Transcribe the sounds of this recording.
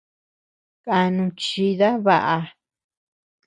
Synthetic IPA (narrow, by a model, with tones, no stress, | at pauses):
kʼa˧nũ˧t͡ʃi˧ða˦βa˧ʔa˧